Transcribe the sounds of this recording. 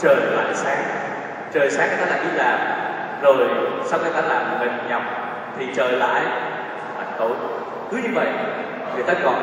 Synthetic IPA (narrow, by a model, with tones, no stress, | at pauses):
t͡ɕəː˨˩jla̰ː˧˨jsaː˨˦ŋ | t͡ɕəː˨˩jsaː˨˦ŋ˧˨˩aː˦˥laː˧˩ʔi˦˥t̚laː˨˩m̚ | zo˨˩jsa˧wxi˧˩t̪aː˧laː˨˩m̚˨˩ŋə˨˩ɲa˨˩wk͡p̚ | t̪ʰi˨˩t͡ɕəː˨˩jla̰ː˧˨jʰ | ʔa̰˧˩ŋko˧˦j | kɨ˨˦ɲɨ˧və̰˧˨j | ŋɨ˨˩˨jt̪aː˧kɔ˨˩